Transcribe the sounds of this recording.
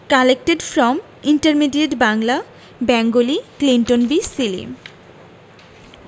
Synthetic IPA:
kalek̚ʈeɖfɾɔm | iɳʈəɾmiɖieɖbaŋla | bɛŋɡoliklinʈonbisilḭ

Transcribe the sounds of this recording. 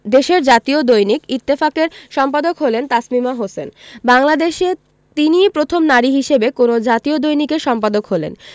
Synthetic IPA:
d̪eʃeɾd͡ʑat̪iod̪ojnikit̪ːefakeɾʃɔmpad̪okɦolent̪asmimaɦosenbaŋlad̪eʃe | t̪inipɾot̪ʰomnaɾiɦiʃebekonod͡ʑat̪iod̪ojnikeɾʃɔmpad̪okɦolḛn

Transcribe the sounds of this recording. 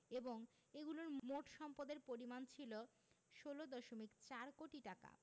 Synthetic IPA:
eboŋ | eɡuloɾmoʈʃɔmpod̪eɾpoɾimant͡ɕʰilo | ʃolod̪ɔʃomikt͡ɕaɾkoʈiʈaka̰

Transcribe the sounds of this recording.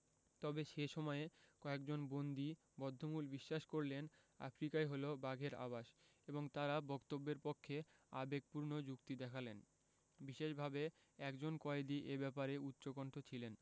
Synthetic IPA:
t̪ɔbeʃeʃɔmɔekɔekd͡ʑonbond̪i | bɔd̪ʱːomulbiʃːaʃkoɾlen | a̰fɾikaeɦolobaɡʱeɾa̰baʃ | eboŋt̪aɾabɔkt̪obːeɾpokʰːe | a̰beɡ̚puɾnod͡ʑukt̪id̪ɛkʰalen | biʃeʃbʱabe | ɛkd͡ʑonkɔed̪iʔebɛpaɾeut̪ːɕokoɳʈʰot͡ɕʰilen

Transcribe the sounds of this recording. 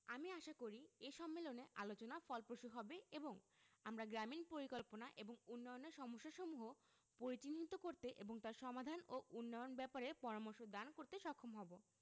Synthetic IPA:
amiaʃakoɾieʃɔmːeloneʔalot͡ɕonafɔlpɾoʃuɦɔbeeboŋamɾaɡɾaminpoɾikolponaʔeboŋunːɔjoneɾʃɔmoʃːaʃɔmuɦo | poɾit͡ɕinɦit̪okoɾt̪eʔeboŋt̪aɾʃɔmad̪ʱanoʔunːɔjonbɛpaɾepɔɾamoɾʃod̪ankoɾt̪eʃɔkʰːomɦɔbo

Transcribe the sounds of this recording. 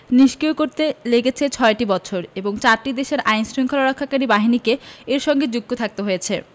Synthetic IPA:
niʃkiokoɾt̪eleɡet͡ɕʰet͡ɕʰɔeʈibɔt͡ɕʰoɾeboŋt͡ɕaɾʈid̪eʃeɾʔajnsɾiŋkʰolaɾɔkʰːakaɾibaɦinikeeɾʃɔŋɡed͡ʑuk̚t̪ot̪ʰak̚t̪oɦojet͡ɕʰe

